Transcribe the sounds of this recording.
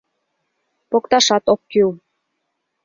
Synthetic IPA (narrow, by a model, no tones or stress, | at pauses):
pokt̪ɑʃɑt̪okːyw